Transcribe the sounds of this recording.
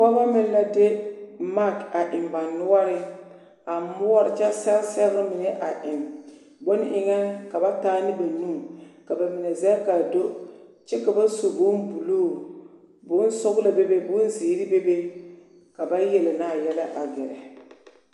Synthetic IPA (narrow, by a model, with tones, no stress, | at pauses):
ka˦ba˦mɪ˦n˦la˦de˦ma˦ka˨ʔɪ˨mba˨nnʊ˦ɔ˦ɾɪ˦ | a˨mʊ˦ɔ˦ɾɪ˨t͡ʃɛ˦sɛ˦lsɛ˦ɣa˦mɪ˨nɛ˦ʔa˨ʔɪ˨m | bʊ˦n˦ʔɪ˨ŋɛ˦nka˨ba˦taː˦nɪ˦ba˨nu˦˨mka˨ba˨mɪ˨nɛ˨zɛ˦ka˨do˦ | t͡ʃɛ˦ka˨ba˦so˨bʊ˦n˦bu˨loː˦˨ | bʊ˨˦n˦sʊ˦ɣla˨be˦be˦bʊ˦n˦ziː˨˦ɾi˦be˦be˦ | ka˨ba˦jɛ˨lɪ˨naː˦˨jɛ˦la˦ʔa˨ɡɛ˨ɾɛ̰˨